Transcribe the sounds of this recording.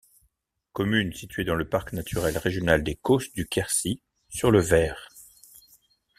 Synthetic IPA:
kɔmynsit̪ɥed̪ɑ̃ləpaʁknat̪ʰyʁɛlʁeʒjɔnald̪ekosd̪ykʲɛʁsi | syʁləvɛːʁ

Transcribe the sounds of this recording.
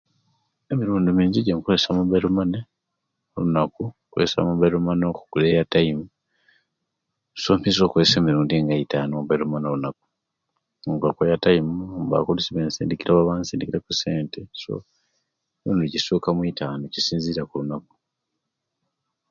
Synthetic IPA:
e̞miɾuːndimiːɲziɟeŋkulesamubajɾumane | olunakukuḛsa̰muβaɾumanoku̥ɡ̥ulejataimu | soːmpiso̞ːkuese̞ːmiɾuːndiŋɡajitanobaɾumanolunak̚u̥ | ɡakojataimumba̰kolisiβeːnsḭːndikiɾaβaβaːnsiːndikiɾekuse̞ːnteso̰ | noːndiɟisuːkamwitʰaːnoecisiːnziːɾakulunaku̥

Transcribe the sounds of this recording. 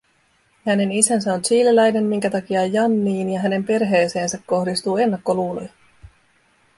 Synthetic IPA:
hæne̞nisæns̬æo̞nsiːlːelæjne̞nmiŋ̟k̟æt̪ɑk̟iɑjːɑnːiːnjɑɦæne̞mpe̞rɦe̞ːse̞ːnsækːo̞hdist̪uːe̞nːɑkːo̞luːlojɑ

